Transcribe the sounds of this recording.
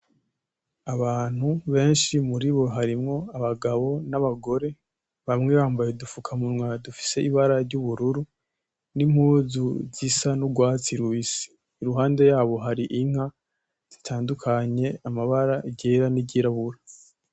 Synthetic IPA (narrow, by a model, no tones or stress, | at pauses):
aβaːn̥huβe̞ːnʃimuɾiβo̞ɦaɾimŋo̞aβaɡaβo̞naβaɡo̞ɾe̞ | βamŋeβaːmbajedufukʰamunŋwadufi̥se̞iβaɾaɾɟuβuɾuɾu | nim̥huːzuzisanuɡwaːt͡siɾwisi̥ː | ɾuɦaːnde̞jaːβo̞ɦaɾiʔiŋ̥ha | z̥itʰaːndukʰaɲe̞amaβaɾaɟeːɾaniɟiɾaβuɾa